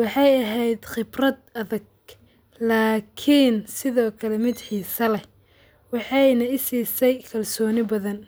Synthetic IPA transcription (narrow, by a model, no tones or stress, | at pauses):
wɑħɑjɐɦɛjd̪χɪbrɐd̪ɐðɐɡ̚ | laːkʰiːnsɪðɔːkʰɐlɛmɪd̪ħiːsɐlɛ | wɑħɑjnɐɪsiːsɛjkʰɐlsɔːnɪbɐðɐn